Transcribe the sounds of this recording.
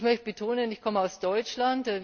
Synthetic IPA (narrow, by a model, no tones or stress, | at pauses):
mœçt̚b̥ətʰoːnənɪçkʰɔməaʊsd̥ɔʏt͡ʃlantɛ